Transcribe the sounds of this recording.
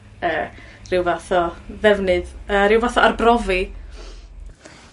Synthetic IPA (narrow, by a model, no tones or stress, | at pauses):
əː | rɪwvaθɔvɛvnɨðəːɾɪwvaθɔʔarbrɔvi